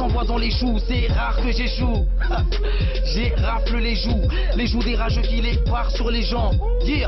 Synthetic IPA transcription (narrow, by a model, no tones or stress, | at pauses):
ɑ̃vwad̪ɑ̃leʒusɛʁaʁkəʒeʒu | ʒe | ʁafləleʒu | leʒud̪eʁaʒokʲile | waʁsyʁleʒɑ̃ | je